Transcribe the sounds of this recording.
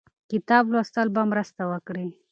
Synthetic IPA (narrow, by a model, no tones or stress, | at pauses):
kɪt̪ɑblost̪əlbamɾəst̪awəkɽi